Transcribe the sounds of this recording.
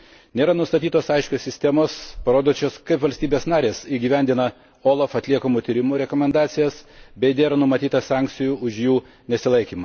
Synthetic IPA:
nʲeːɾɐnʊst̪ɐt̪ʲiːt̪oːsɐɪʃʲkʲoːsʲɪsʲt̪ʲɛmoːspɐɾoːd̪ot͡ʃʲoːskɐɪpʋɐlʲst̪ʲiːbʲeːsnɑːɾʲeːsiːɡʲiːʋʲɛnʲd̪ʲɪnɐ | oːlˠɐfɐt̪ʲlʲiɛkoːmuːt̪ʲiːɾʲɪmuːɾʲɛkoːmʲɛnd̪ɑːt̪sʲɪjɛsbʲɛɪd̪ʲeːɾɐnʊmɐt̪ʲiːt̪ɐsɑˑŋk̪sʲɪjuʊʃjuː | nʲɛsʲɪlˠɐɪkʲiːmɐ

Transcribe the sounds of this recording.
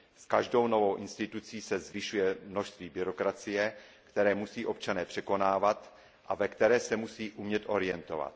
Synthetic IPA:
skaʒdo̞wno̞vo̞wʔɪnst̪ɪt̪ut͡siːsɛzvɪʃujɛmno̞ʃst̪viːbɪɾo̞kɾat͡sɪjɛkt̪ɛɾɛːmusiːʔo̞p̚t͡ʃanɛːpr̝̥ɛko̞naːvat̪ | ʔavɛkt̪ɛɾɛːsɛmusiːʔumɲɛt̪ʔo̞ɾɪjɛnt̪o̞va̰t̪

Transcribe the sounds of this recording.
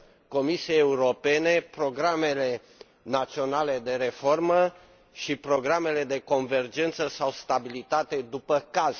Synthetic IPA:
ko̞misiejeuɾo̞pe̞ne̞pɾo̞ɡɾame̞le̞ | nat̪sio̞nale̞d̪e̞ɾe̞fo̞rmə | ʃipɾo̞ɡɾame̞le̞d̪e̞ko̞nve̞rd͡ʒent̪səsawst̪abilit̪at̪e̞d̪upəkaz

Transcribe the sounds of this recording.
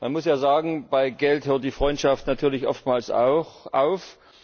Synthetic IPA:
manmʊsjaːzaːɡŋ̩b̥aɪɡɛlthøːɐtd̥iːfʁ̥ɔʏntʃaftnatʰyːɐlɪçʔɔ̰ftmaːlsa̰ʊxʔa̰ʊf

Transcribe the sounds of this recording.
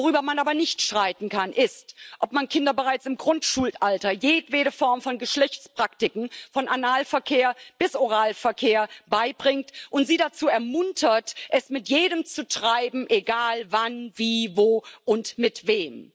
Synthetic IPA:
oʁyːbɐmanʔaːbɐnɪçtʃʁ̥aɪtn̩kʰanʔɪstʔɔpmankʰɪndɐbəʁaɪt͡sɪmɡʁʊntʃuːltʔaltɐjeːtveːɾəfɔɐmfɔnɡəʃlɛçt͡spʁ̥aktɪkŋ̩fɔnʔanaːlfɛɐkʰeːɐb̥ɪsʔoʁ̞aːlfɛɐkʰeːɐbaɪbʁɪŋktʔʊntz̥iːɾat͡suːɛɐmʊntʰɐtʔɛsmɪtjeːɾəmt͡sutʁ̥aɪbm̩ʔeɡaːlvanviːvoːʔʊntmɪtv̥eːm

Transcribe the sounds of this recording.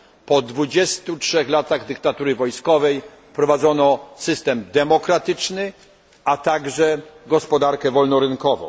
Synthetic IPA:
pɔd̪vud͡ʑɛst̪utʂɛxlat̪aɣd̪ɘkt̪at̪uɾɘvɔjskɔvɛjfpɾɔvad̪zɔnɔsɘst̪ɛmd̪ɛmɔkɾat̪ɘt͡ʂnɘ | at̪aɡʐɛɡɔspɔd̪aɾkɛvɔlnɔɾɘnkɔvɔ̰̃w̃

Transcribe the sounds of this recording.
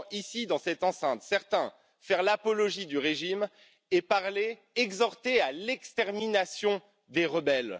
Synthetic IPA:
isid̪ɑ̃sɛt̪ɑ̃sɛ̃t̪sɛʁt̪ɛ̃ | fɛʁlapɔlɔʒid̪yʁeʒim | epaʁle | ɛɡzɔʁt̪ealɛkst̪ɛʁminasjɔ̃ | d̪eʁəbɛl

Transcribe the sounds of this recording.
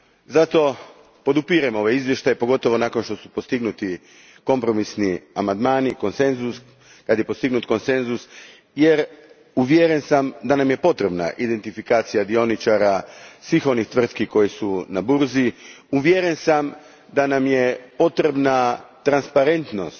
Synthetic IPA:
zat̪o̞ | po̞d̪upiɾamo̞ʋeizʋje̞ʃt̪ajepo̞ɡo̞t̪o̞ʋo̞nako̞nʃt̪o̞supost̪iɡnut̪i | ko̞mpɾo̞misniamand̪maːniko̞nse̞nzus | kad̪jepo̞st̪iɡnut̪ko̞nse̞nzus | je̞ɾ | uʋjeɾe̞nsamd̪anamje̞po̞t̪ɾe̞bna̰ʔid̪e̞nt̪ifikaːt̪sijad̪io̞nit͡ʃaɾasʋixo̞nixt̪ʋr̩t̪kiko̞jesunabuɾzi | uʋjeɾe̞nsam | d̪anamjepo̞t̪ɾe̞bnat̪ɾanspaɾe̞nt̪no̞̰st̪

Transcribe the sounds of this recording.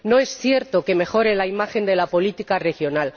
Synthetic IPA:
no̞e̞sθje̞ɾt̪o̞ke̞me̞xo̞ɾelaimaxe̞nd̪e̞lapo̞lit̪ikare̞xjo̞nal

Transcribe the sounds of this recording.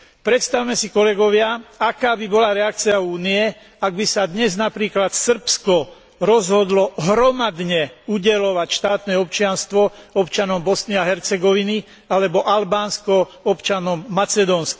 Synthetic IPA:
pɾɛt̪st̪awmɛsikɔlɛɡɔʋɪaakaːbibɔlaɾɛak̚t͡siauːniɛ | aɡ̚bisad̪ɲɛznapɾiːklat̪sr̩pskɔ | ɾɔzɦɔd̪lɔɦɾɔmad̪ɲɛuɟɛlɔʋacʃt̪aːt̪nɛːɔpt͡ʃɪanst̪ʋɔɔpt͡ʃanɔmbɔsniaɦɛɾt͡sɛɡɔʋini | alɛbɔʔalbaːnskɔɔpt͡ʃanɔmːat͡sɛd̪ɔːnsk

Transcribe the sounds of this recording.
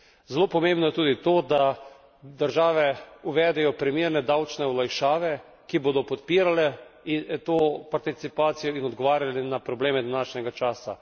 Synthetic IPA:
zɛlopɔmẽmbnɔjɛt̪uːd̪it̪oːd̪a | d̪əɾʒaːʋɛuʋɛːd̪ɛjɔpɾimiːɾnɛd̪awt͡ʃnɛɔlajʃaːʋɛ | kiboːd̪ɔpɔt̪piːɾalɛ | t̪oːpaɾt̪it̪sipaːt̪sijɔinɔd̪ɡɔʋaːɾjalɛnapɾɔbleːmɛd̪anaːʃnʲɛɡat͡ʃaːsa

